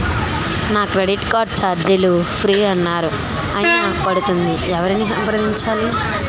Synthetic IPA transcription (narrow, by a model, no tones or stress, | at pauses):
naːkɾeɽiʈkaːʈ̚t͡ʃaːɾd͡ʒ̪ilupʰɾiːɐnːaːɾu | ɐjinɐpɐɽut̪und̪iɛʋɐɾiniːsɐmpɐɾɐd̪ʱiɲt͡ʃaːli